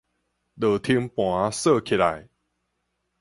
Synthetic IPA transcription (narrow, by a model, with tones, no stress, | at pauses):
ɗə˨˩t̪ʰi˧ŋpwã˨˦sɤ˥˧˨kʰi˨˩la̰˨˩j